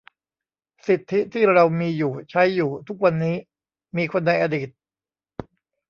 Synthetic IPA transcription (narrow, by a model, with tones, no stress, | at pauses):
si˨˩t̪ʰːi˦˥t̪ʰiː˥˩ɾa˧wmiː˧juː˨˩t͡ɕʰa˦˥jːuː˨˩t̪ʰu˦˥k̚wa˧nːiː˦˥ | miː˧kʰo˧nːda˧jʔaː˧diː˨˩t̪̚